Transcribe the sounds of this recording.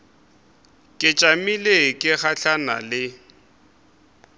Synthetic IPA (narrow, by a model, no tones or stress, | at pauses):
kʼɪt͡ʃʼamilekʼɪχaɬana̰lɪ